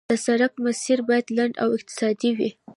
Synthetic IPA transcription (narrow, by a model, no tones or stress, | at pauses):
əsaɾak̚masiɾbɑjad̪laɳɖa̰wɪq̚t̪ɪ̥sɑd̪iwi